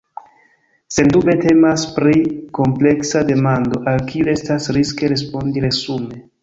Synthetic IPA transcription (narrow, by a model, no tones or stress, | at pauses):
se̞ndube̞te̞maspɾiko̞mple̞ksade̞mando̞ʔalkʰiue̞stasɾiske̞ɾe̞spo̞ndiɾe̞sume̞